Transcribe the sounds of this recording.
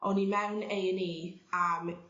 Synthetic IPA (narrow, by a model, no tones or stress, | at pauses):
ʔɔnimɛwnejniam